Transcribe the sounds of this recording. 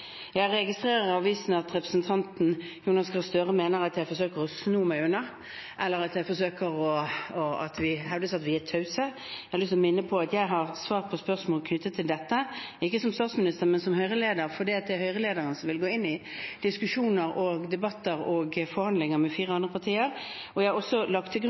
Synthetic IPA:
jæɪæʁɛɡɪst̪ʁeːɾəʁɑʋʋiːsnɑt̪ʁɛpɾəsənt̪ʰɑnt̪n̩ | juːnɑskɑlst̪øːʁəmeːnəʁɑt̪jæɪfɔsøːkəʁɔsnuːmæɪʉnːɑ | ʔɛlːəɾɑt̪jæɪfɔsøːkəɾɔɔɑt̪ʋɪɦɛʋd̪əsɑt̪ʋɪæt̪ʰœʉsə | jæɪhɑɾlʏst̪ɔmɪnːəpʰɔɑt̪jæɪɦɑʁsʋɑːʁpʰɔspœʁsmoːlkʰnʏt̪ːət̪ʰɪld̪ɛt̪ːə | ɪkːəsɔmst̪ɑːt̪smɪnɪst̪əʁmɛnsɔmhœʏʁəleːd̪əɾfɔd̪iːɑt̪d̪ɛæɾhœʏʁəleːd̪əʁənsɔmʋɪlɡoːɪnːɪd̪̥ɪskʉʂuːnəɾɔɡd̪ɛbɑt̪ːəʁɔɡfɔɾhɑnd̪lɪŋəɾmɛfiːʁəɑnd̪ʁəpʰɑt̪ʰiːəʁ | ɔjæɪhɑɔsɔlɑk̚t̪ʰːɪɡ

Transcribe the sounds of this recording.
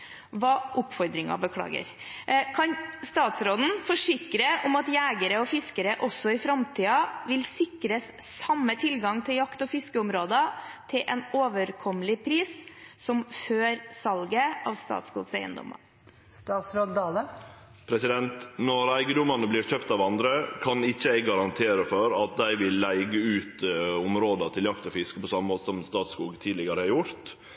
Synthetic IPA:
ʋɑːʔʊpfɔɾd̪ɾɪŋɑ̰bəkʰɽɑ̰ːɡə̰ɾ | kʰɑnst̪ɑːt̪sɾoːd̪n̩fɔʂɪkɾəʔʊmɑt̪jæːɡəɾəɔfɪskəɾəʔɔsːɔɪfɾɑmt̪ʰiːɑʋɪlsɪkɾəs | sɑmːət̪ʰɪlɡɑŋt̪ʰɪljɑkt̪ɔfɪskəʊmɾoːd̪ət̪ʰɪlʔɛ̰noːʋəɾkʰɔməlɪpʰɾiːssɔmføːɾsɑlɡəɑːʋst̪ɑ̰ːt̪skṵːɡsæɪə̰nd̪ɔ̰mɑ̰ | st̪ɑːt̪sɾod̪d̪ɑːlə | pʰɾɛsɪd̪ɛnt̪nɔɾæɪɡəd̪ʊmɑnəbliːɾçøːpt̪ɑʋɑnd̪ɾəkʰɑnɪçːəɛɡɡɑɾɑnt̪ʰeːɾəfɔɾɑt̪̚d̪æɪʋɪlːæɪɡəʉːt̪ʊmɾoːd̪ɑt̪ʰɪljɑkt̪ɔfɪskə̥pʰɔsɑmːəmoːt̪əsɔmst̪ɑːt̪skuːɡt̪ʰiːd̪lɪɡɑɾəhɑɾjʊɾt̪

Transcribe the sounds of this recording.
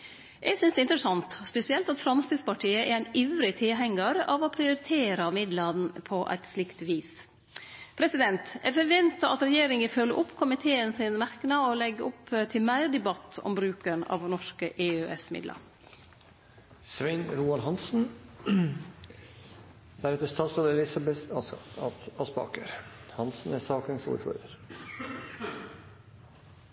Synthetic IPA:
ʔɛɡsʏnsd̪ɛɪnt̪ɾəsɑnt̪spɛsɪɛlt̪ɑt̪fɾɑmst̪iːd̪spɑʈʰiːəʔɛɾæɪniʋɾɪt̪ʰɪɦɛŋːəɾɑ̰ʋɔpʰɾɪʊɾɪt̪ʰeːɾɑmɪd̪lənpʰɔʔæ̰ɪt̪slɪkt̪ʋiːs | pʰɾɛsɪd̪ɛnt̪ɛɾfɔɾʋɛnt̪əɑt̪ɾɛjeːɾɪŋəfœlːəʔʊpːkʰʊmɪt̪ʰeːənsɪnmæɾknɑɔlɛɡːəʔʊpt̪ʰɪlmæɪɾd̪ɛbɑt̪ːɔ̰mbɾʉːkənɑ̰ːʋnɔʂkəʔeːøːʔɛsmɪ̰d̪lʔə̰ɾ | sʋæɪnɾuːɑlɦɑnsn̩ | d̪̥æɾɛt̪ːəst̪ɑːt̪sɡɑːd̪əɾɛlɪsɑbɛθɑ | ɑspɑ̰ːkəɾhɑnsn̩æsɑːkənsṵːɾfɔ̰ɾd̪əɾ

